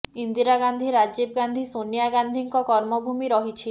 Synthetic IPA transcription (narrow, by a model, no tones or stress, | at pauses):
ind̪iɾaɡand̪ʱiɾad͡ʒebɡand̪ʱisonijaɡand̪ʱiŋkɔkɔɾmɔbʱumiɾɔɦit͡ʃʰi